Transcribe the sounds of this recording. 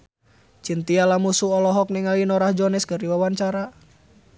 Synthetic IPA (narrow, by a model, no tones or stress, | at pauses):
t͡ʃint̪ialamusuɔlɔɦɔk̚niŋalinɔɾahd͡ʒɔnɛskɨrdiwawaɲt͡ʃaɾa